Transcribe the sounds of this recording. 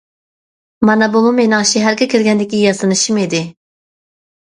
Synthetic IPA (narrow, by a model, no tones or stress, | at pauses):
mɑnɑbumumenɑŋʃiɦæɾɡʲɛkʲʰiɾɡʲɛnd̪ɪkʲijɑsɨnɨʃimid̪ɪ